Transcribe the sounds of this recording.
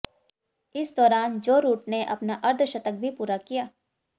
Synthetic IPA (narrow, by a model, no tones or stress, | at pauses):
ɪsd̪ɔːɾaːnd͡ʒoːɾuːʈneʔɐ̰pnaʔɐɾd̪ʰʱʃɐt̪ək̚bʱipuːɾakijaː